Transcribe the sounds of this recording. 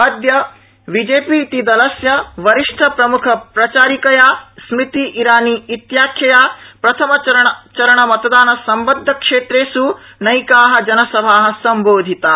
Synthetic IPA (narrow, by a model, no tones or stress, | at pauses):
ɐd̪jɐ | ʋid͡ʒeːpit̪id̪ɐlɐsjɐʋɐɾiʂʈʰɐpɾɐmukʰɐpɾɐt͡ʃaːɾikɐjaːsmit̪iʔiɾaːniːit̪jaːkʰjɐjaːpɾɐt̪ʰɐmɐɐɾɐɐt͡ʃɐɾɐɳɐmɐt̪ɐd̪aːnɐsɐmbɐd̪ʱːɐkʂeːt̪ɾeːsu | nɐjkaːɦɐ̆d͡ʒɐnɐsɐbʱaːɦɐ̆sɐmboːd̪ʱit̪aː